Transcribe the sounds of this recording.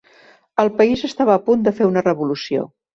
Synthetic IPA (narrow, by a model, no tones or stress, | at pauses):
əlˠpəizəst̪aβəːpund̪əfeunərəβulusio̰